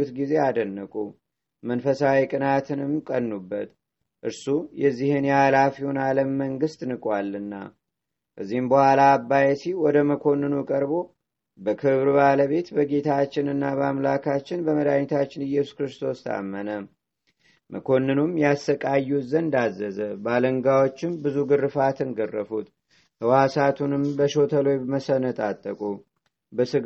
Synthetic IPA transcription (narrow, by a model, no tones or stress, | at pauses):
ut̪ɡize̞ad̪ənːəkʼu | mənfəsawikʼɨnat̪ʰɨnɨmkʼənːubːə̰t̪ | ʔɨɾsujɛzːihɨnjalafihonaləmːəŋɡɨst̪nɨkʼwalːɨnːa̰ | ʔɨzːihɨmbəhwalaːbːajɛsiwɔd̪əməkʰo̞nːɨnukʼəɾbo̞ | bəkʰɨβɾbaləβe̞t̪bəɡe̞t̪ʰat͡ʃːɪnɨnːaβəamlakʰat͡ʃːɪnbəməd̪aɲt̪ʰat͡ʃːɪnɨjːɛsu̥skɾɨst̪ʰo̞st̪ʰa̰mːənə | mʔəkʰo̞nːɨnumjasəkʼajːuzənnd̪azːəzəbaləŋɡawot͡ʃːɪmbɨzuɡɨrːɨfat̪ʰɨnɡərːəfut̪ | əwasat̪ʰunɨmbəʃo̞t̪ʰəlojbməsənət̪ʼat̪ʼːəkʼu | bəsɨ